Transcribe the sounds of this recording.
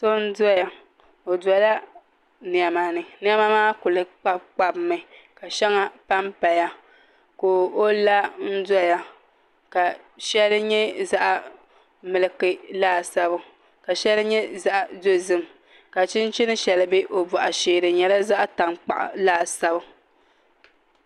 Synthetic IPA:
so˦n̩˦da˦ja˨ | o˨da˨˦la˦ | nɪ˨ɛ˨ma˨nɨ˨nɪ˦ɛ˦ma˦maː˦kʊ˨lɨ˦k͡pa˦bk͡pa˦bmɨ˦˨ka˨ʃɛ˦ŋa˦pa˦mpa˨ja˦ | koː˨o˦la˦n̩˦da˦ja˦ | ka˨ | ʃɛ˦lɨ˦ɲɛ˦za˦ʔa˨ | mɨ˨lɨ˨kɨ˦laː˦˨sa˦bʊ˦ | ka˨ʃɛ˦lɨ˦ɲɛ˦za˦ʔa˨do˦zɨ˦m | ka˨t͡ʃɪ˦n˦t͡ʃɪ˦nɨ˦ʃɛ˨lɨ˨be˦ʔo˨bɔ˨ʔa˨ʃeː˨ɾɨ˨ɲɛ˨la˦za˦ʔta˨ŋk͡pa̰˨ʔa̰˨laː˦˨sa˦bʊ˦

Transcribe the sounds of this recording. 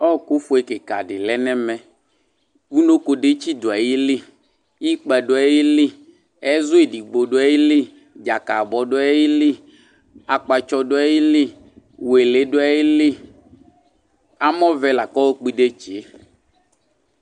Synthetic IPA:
ɔ˦˨ku˦fo˨e˨ke˨ka̰˨ɖɪ˨lɛ˦nɛ˦mɛ̃˨ | wu˦no˦ko˨ɖe˦t͡ɕi˦d̪o˨a˨ji˦li˦ | ji˦k͡pɛ˨ɖo˦a˨˦ji˦li˦ | ɛ˦zʊ˦e˨di˨ɡ͡bo˨ɖo˦a˦ji˦li˦ | d͡ʒa˨ka˨bɔ˨ɖo˦a˦ji˦li˦ | a˨k͡pa˨t͡ʃɔ˦ɖo˦a˦ji˦li˦ | we˨le˦do˦a˦ji˦li˦ | a˦mɔ̃˦vɛ˦la˨kɔ˦wo˦k͡pi˦ɖe˦t͡ʃe˨˦

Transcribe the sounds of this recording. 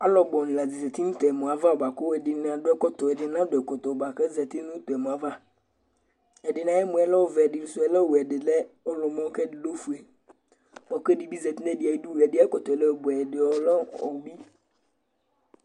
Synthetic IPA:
a˦lɔ˨ɡ͡bɔ˨n˨la˨d͡zi˨zɛ˨tɪ˦nʊ̃˦t̪ɔ˨ɛ˨mʊ̃˨a˨va˦ʊ˨ba˨ko˦ɛ˨dɪ˨n˨a˨dʊ˦ɛ˦kɔ˦t̪ɔ˨ɛ˨dɪ˨n˦ã˦dʊ˨ɛ˨kɔ˨t̪ɔ˨ba˨kɛ˦zɛ˨tɪ˦nʊ̃˦t̪ɔ˨ɛ˨mʊ̃˨a˨va˦ | ɛ˨dɪ˨nã˨˦jɛ˦mʊ̃˨ɛ˨lɛ˦ʊ˦˨vɛ˨ɛ˨dɪ˨n̩ʊ˨sʊ˦ɛ˨lɛ˦˨wɛ˨dɪ˨lɛ˦ɔ˦lɔ˨mɔ̃˦kɛ˦dɪ˨lo˦fu˨ɛ˨ | bɔ˨kdɪ˨bi˦zɛ˨tɪ˦n˦ɛ˦˨dɪ˨a˨i˦du˦˨ɛ˨dɪ˨˦ɛ˦kɔ˨t̪ɔ˨ɛ˨lɛ˦˨bʊ˨ɛ˨dɪ˨ɔ˨lɔ˦ɔ˨bi˦

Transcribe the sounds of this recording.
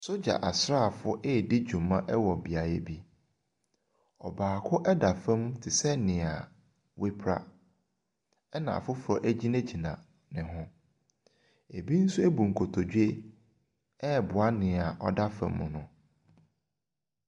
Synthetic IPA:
sʊ˦d͡ʑa̰˨ʔa˨sɾa˦˨fʊ˦ʔɛ˦˨dɪ˦d͡ʑᶣũ˨mã˦ʔɛ˦wɔ˨bi˨a˨jɛ˦bi˦ | ɔ̰˨baː˨kʰʊ˦ʔɛ˦da˨fɛ̃˦mtʰɪ˨sɛ˦nɪ̃˨a˨ | wɪ˦pʰɾa̰˦ | ɛ˦nã̰˨fʊ˦fʊ˨˦ɔ˦ʔæ˦d͡ʑi˦næ̃˦d͡ʑi˨nã̰˨ | nɪ̃˨ɦʊ̃˦ | e˨bi˦n̩˦su˦e˦bu˨ŋ̩˨kʰo˨tʰo˨d͡ʑu˦e˦ | ɛ˦˨bʊ˨a˦nɪ̃˨a˨ʔɔ̰˦da˦fã̰˨mːʊ̃˨nʊ̃˨

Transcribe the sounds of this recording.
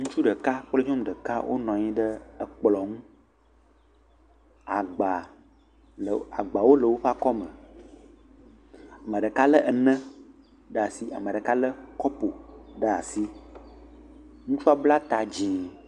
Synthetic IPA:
ŋũ˦t͡ʃu˦ɖə˨ka˦k͡ple˦ɲɔ̃˦m˨ɖə˨ka˦wʔo̰˦nɔ̃˨ɲĩ˦ɖə˦ə˨k͡plɔ˨ŋũ˦ | a˨ɡ͡ba˨ | a̰˨ɡ͡ba˨wo˦lə˨wo˦ɸa˦kɔ˦mə̃˨ | a˨mə̃˨ɖə˨ka˦lə˦ʔə˨nə̃˦ | ɖə˦a˨si˦ʔa̰˨mə̃˨ɖə˨ka˦lə˦kɔ˦po˨ɖə˦a˨si˦ | ŋũ˦fu˦a˦bla˦t̪a˨d͡ʑĩ˨

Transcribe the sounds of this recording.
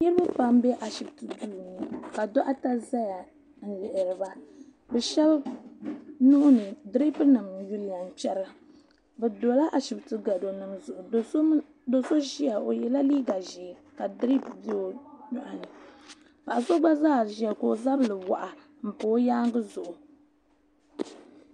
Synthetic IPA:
ɲɨ˦ɾɨ˦bɨ˦pa˦mbɛ˦ʔa˨ʃi˨btɨ˨duː˦nɨ˨ka˨do˦ʔa˦ta˦za˦ja˨ | n̩˨lɪ˨ʔɪ˨ɾɨ˨ba˦ | bɛ˨ʃɛ˦l | nʊ˦ʔʊ˦nɨ˨dɾi˦pnɨ˨mju˦li˨ja˨npɛ˦ɾɨ˦ | bɛ˨do˨la˦ʔa˨ʃi˨btɨ˦ɡa˨do˨nɨ˨mzʊ˨ʔʊ˨o˨o˦ | do˨so˦ʒi˦ja˨o˨jɛ˨la˦li˦ɡa˨ʒi˨ka˨dɾi˦pdi˦o˨ɲʊ˨ʔa˨nɨ˨ | pa˨ʔa˨zo˦ɡ͡ba˦zaː˦˨ʒɛ˨ko˨za˦blɨ˨wa˨ʔa˨ | m̩˨po˨˦jaː˦ŋ˦ɡɨ˦zʊ˨ʔʊ˨

